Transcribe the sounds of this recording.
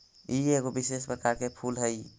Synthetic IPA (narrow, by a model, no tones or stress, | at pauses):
ieɣobises̬pɾəkaɾkepʰulɦəj